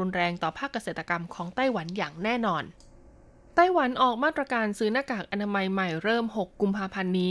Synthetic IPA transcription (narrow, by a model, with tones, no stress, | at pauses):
u˧nɾɛː˧ŋt̪ɔː˨˩pʰaː˥˩kːa˧seː˨˩t̪ːa˧ka˧mkʰɔː˩˦ŋt̪a˥˩jwa˩˦njaː˨˩ŋnɛː˥˩nɔː˧n | t̪a˥˩jwa˩˦nʔɔː˨˩k̚maː˥˩t̪̚ɾa˧kaː˧nsɯː˦˥naː˧˥˩kaː˨˩k̚ʔa˧naː˧ma˧jma˨˩jɾɤː˥˩mɦo˨˩kːu˧mpʰaː˧pʰa˧nːiː˦˥